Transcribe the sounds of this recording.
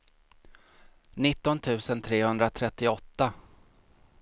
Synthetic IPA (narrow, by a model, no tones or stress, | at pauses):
nɪt̪ːɔnt̪ʰʉ̟ːsənt̪ʰɾeːhɵnd̪ɾat̪ʰɾɛt̪ːɪɔt̪ːa